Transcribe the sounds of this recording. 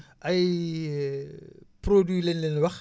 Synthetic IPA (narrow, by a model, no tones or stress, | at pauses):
ʔɐj | prodwilenlɛnwɐx